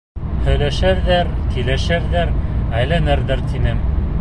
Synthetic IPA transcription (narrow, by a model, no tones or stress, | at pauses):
hɵ̆jlæʃæɾðæɾkilæʃæɾðæɾæjlænɘɾðɘɾt̪inɘm